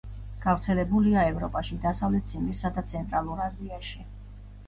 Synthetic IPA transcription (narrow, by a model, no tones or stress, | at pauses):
ɡ̥avɾt̪sʰɛlɛbuliaɛvɾɔpʼaʃid̪asavlɛt̪̚sʰimisad̪at̪sʰɛnt̪ʼɾalˠuɾaziaʃi